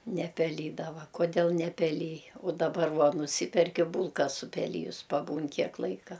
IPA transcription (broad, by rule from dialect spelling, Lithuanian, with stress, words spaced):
nʲɛpʲɛˈlʲiːdɐʋɐ koːˈdʲeːlˠ nʲɛpʲɛˈlʲɪj ʊ dɐˈbɐr ˈʋuɔ nʊˈsʲiːpʲɛrʲkʲɪ ˈbuːlˠkɐ sʊpʲɛˈlʲiːjʊs pɐˈbuːn ˈkʲiɛk ˈlˠɐɪkɐ